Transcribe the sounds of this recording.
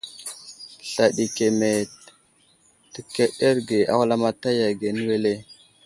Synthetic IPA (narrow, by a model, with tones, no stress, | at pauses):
ɬa˨ɗi˨ke˨me˨t | tə˨ke˦ɗe˦ɾɡe˨ʔa̰˦wa˦la˦ma˦ta˦ja˨ɡe˨n˦we˦le˦